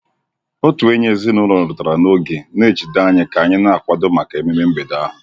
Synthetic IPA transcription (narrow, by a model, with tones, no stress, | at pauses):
o˦tu˨e˦ɲe˦zi˦nʊ˦ɾɔ˨ɾɾʊ˨ta˨ɾa˨no˦ɡe˨ne˦˨t͡ʃi˨da˦ɲɪ˦ka˨ɲɪ˦na˦a˨kʷa˨dʊ˦ma˨ka˨e˨me˦me˦m̩˦be˨da˦ɦʊ˨